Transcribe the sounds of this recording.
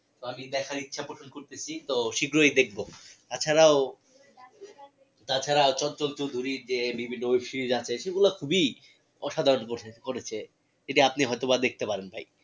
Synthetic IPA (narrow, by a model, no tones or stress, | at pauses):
t̪oamid̪ɛkʰaɾitːɕʰapɾoʃʰonkoɾt̪et͡ɕʰit̪oʃiɡɾojd̪ek̚ʰbot̪at͡ɕʰaɾao | t̪at͡ɕʰaɾaot͡ɕɔnt͡ɕolt͡ɕowd̪ʱuɾiɾd͡ʑebibʱinːoojkʃiid͡ʑat͡ɕʰeʃeɡulakʰubi | ɔʃad̪ʱaɾonkoʈekoɾet͡ɕʰe | eʈiapniɦɔjt̪obad̪ek̚ʰt̪epaɾenbʱaj